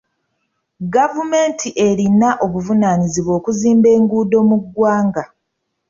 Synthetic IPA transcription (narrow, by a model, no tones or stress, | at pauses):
ɡavume̞ːntʰiʔe̞ɾinaʔo̞βuvunaniziβwo̞ːkuziːmbe̞ːŋɡuːdo̞muɡwaːŋɡa